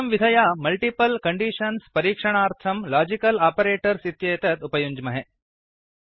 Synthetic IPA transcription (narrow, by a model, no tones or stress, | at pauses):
ɐmʋid̪ʱɐjamɐlʈipɐlkɐɳɖiːʂɐnspɐɾiːkʂɐɳ̃aːɾt̪ʰɐmlaːd͡ʒikɐlaːpɐɾeːʈɐɾsit̪jɐjt̪ɐt̪upɐjuɲd͡ʒmɐɦe